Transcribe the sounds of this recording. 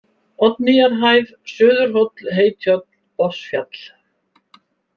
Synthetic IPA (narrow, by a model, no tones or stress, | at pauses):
ɔt̪nɪjaɾɦajv | sʏːðʏɾ̥rɔt̪lɦeːjt̪ʰjɔt̪lpɔr̥sfja̰t̪l̥